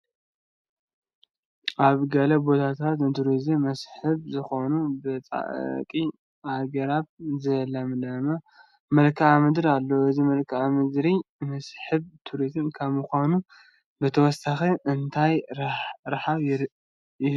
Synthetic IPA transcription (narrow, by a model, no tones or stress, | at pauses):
ʔaβɡɐlɐbo̞t̪ʰat̪ʰat̪nɨt̪ʰuɾizɨmːɐsħɨβzɨxo̞nubɨt͡sʼa̰ʔkʼi | ʔaɡɐɾaβzɐlɐmlɐmɐ | mɐlkʰamɨd̪ɾalːoɨzimɐlkʰɨamɨd̪ɾimɐsħɨβt̪ʰuɾizɨmkʰaβmɨxʷanu | bɨt̪ʰɐwɔsaxeʔɨnt̪ʰaj | ɾaħaβ